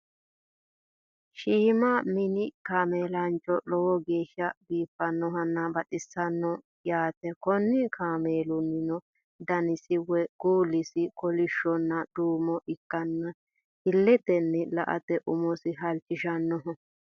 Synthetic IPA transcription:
ʃiːmɐmɪnɪkaːmeːlɐnt͡ʃʼːɔlɔwɔɡe̞ːʃːɐbiːfːɐnːɔɦɐnːɐbɐtɪsːɐnːɔ | jaːt̪ɛkɔnːɪkʰaːmeːlʊnːɪnɔ | d̪ɐnɪsɪwɛɡ̥uːlːɪsɪkɔlɪʃːɔnːɐd̪̥uːmɔʔɪkːɐnːɐ | hɪlːɛt̪ɛnːɛlɐʔɐ̰t̪ɛʔʊmɔsɪɦɐlt͡ʃːɪʃɐnːɔɦɔ

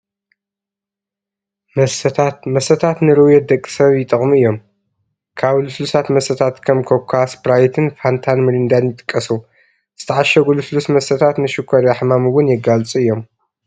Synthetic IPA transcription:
mɐst̪ʰat̪mɐsɐt̪ʰat̪nɨɾɨwjɛd̪ɐkʼːi̥sɐβjɪt̪ʼɨχʼmuɨjːo̞m | kʰaβluslusat̪mɐsɐt̪ʰat̪kʰɐmkʰoβkʷʰaspɾajt̪ʰɨnfant̪ʰanmɨlind̪anjɪt̪ʼɨ̥kʼːɐsu | z̥ɨt̪ʰɐʕaʃɐɡuluslusmɐsɐt̪ʰat̪nɨʃɨkʰːɐɾaħmamuwʊnjɛɡalt͡sʼuɨjːo̞m

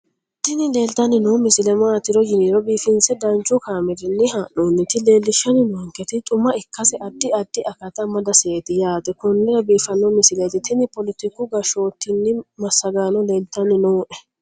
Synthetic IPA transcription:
t̪ɪnɪle̞ːlt̪ɐnɪnoːmɪsɪlɛmaːt̪ːɪɾɔjɪniːɾɔbiːfɪnsɛd̪ɐnt͡ʃːʊkaːmɪɾɪnːɪhɐʔoːnːɪt̪ɪle̞ːlːɪʃːɐnɪnɔŋkɛt̪ɪt̪ʼʊmɐɪkːɐsɛʔɐd̪ːɪɐd̪ːɪʔɐkɐt̪ɐmɐd̪ɐseːt̪ɪjaːt̪ɛkʊnːɪɾɐbiːfɐnːɔmɪsɪlet̪ɪt̪ɪnɪpɔlɪt̪ɪkːʊɡɐʃo̞ːt̪ːɪnːɪmɐsːɐɡaːnɔle̞ːlt̪ɐnɪnoːʔɛ

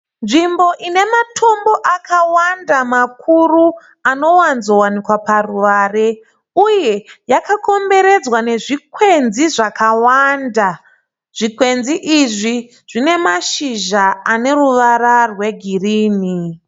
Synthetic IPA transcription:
nʐimbo̞ʔine̞matʰo̞mbo̞ʔakawandamakʰuru | ano̞wanzo̞wanikwaparuʋare | uje̞jakako̞mbe̞ɾe̞d͡zwane̞ʐikwe̞nziʐakawanda | ʐ̥ikwe̞nziʔiʐi | ʐ̥ine̞maʃiʒaane̞ruʋararwe̞ɡʱiriːni

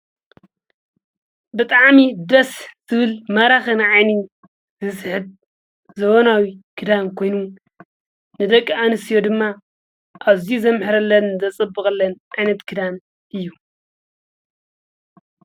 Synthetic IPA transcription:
bɨt̪ʼaʕmid̪ɐsz̥ɨβɨlmɐɾaxɨnɨʕajni | zɨsɨħɨd̪̚ | zɐβonawikʰɨd̪amkʰo̞jnu | nɨd̪ɐkʼːanɨsijo̞d̪ɨmːa | ʔaβziuzɐmħɨɾɐlːɐnzɐt͡sʼɨbːɨkʼɐlːɐnʕajnɐt̪kʰɨd̪am | ʔɨjːu

